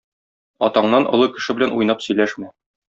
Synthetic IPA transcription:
ɒt̪ɑɴnɑnʔŏ̰lˠɤkɘ̆ʃɘbɘ̆lænʔujnɑpsɵ̆jlæʃmæ

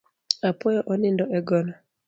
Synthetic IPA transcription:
apɔjɔʔɔnɪndɔʔɛɡɔna

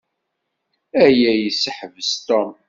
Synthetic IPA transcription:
æjæjəsːəħvəst̪ɔm

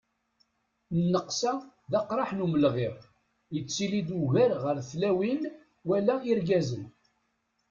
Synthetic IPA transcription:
nːəqsæ | ðæqɾˤɑħnuməlʁeʁ | jət͡sːilid̪uʝæɾʁəɾθlæwin | wælæiɾɡæzən

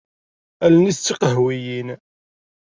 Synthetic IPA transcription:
ælnist͡sːiqəɦwijin

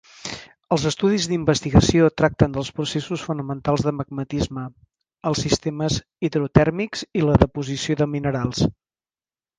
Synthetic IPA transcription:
əlˠzəst̪uðizðimbəst̪iɣəsiot̪ɾak̚t̪ənd̪əlˠspɾusesusfunəmənt̪alˠzðəməɡ̚mət̪izmə | əlˠsist̪eməz | iðɾut̪ɛɾmikziləðəpuzisioðəminəɾalˠs

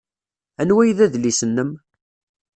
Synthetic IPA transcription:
ænwæjðæðlisənːəm

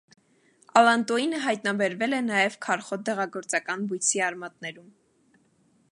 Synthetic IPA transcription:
ɑlɑnt̪ɔinəɦɑjt̪nɑbɛɾvɛlɛnɑjɛvkʰɑɾχɔd̪ɛʁɑɡɔɾt͡sɑkɑnbujt͡sʰiɑɾmɑt̪̚nɛɾum

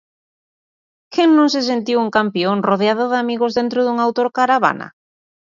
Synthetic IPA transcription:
kʰeŋnõŋs̬es̬ent̪iwuŋkampioŋroðeaðoðamiɣʊzðent̪ɾʊðuŋawt̪oɾkaɾaβ̞a̰na̰

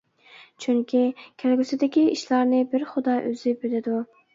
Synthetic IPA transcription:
t͡ʃʰyŋkʲʰikʲʰælɡʲysɪd̪ɪkʲiiʃlˠɑɾnɪbɪɾχʊd̪ɑʔøzɪbølɪd̪u

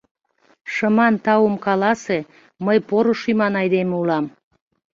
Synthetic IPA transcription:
ʃəmɑnt̪ɑumkɑlɑse | məjpoɾoʃymɑnɑjd̪emeulɑm

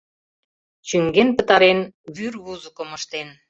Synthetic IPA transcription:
t͡ɕyŋɡenpə̆t̪ɑɾenβyɾβuzə̆kŏmə̆ʃt̪en

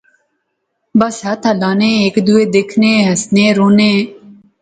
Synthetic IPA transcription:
bɐsɦat̪ʰɐlaːnẽːeːkd̪ueːd̪ekʰnẽːɦɐsnẽːɾoːneː

